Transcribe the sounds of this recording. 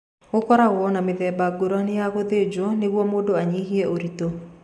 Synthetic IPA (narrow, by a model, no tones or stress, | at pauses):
ɣokɔɾaɣwɔnameðɛːbaɡoɾanejaɣoðed͡ʒwɔneɣwɔmoːdoaɲiɦiɛoɾito